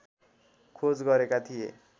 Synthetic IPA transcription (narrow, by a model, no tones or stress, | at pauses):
kʰod͡zɡʌɾekat̪ʰijḛ